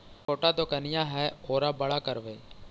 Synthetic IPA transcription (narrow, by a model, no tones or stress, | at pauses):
koːʈaːd̪okənɪjãːɦɛːoːɾaːbəɽaːkəɾʋeː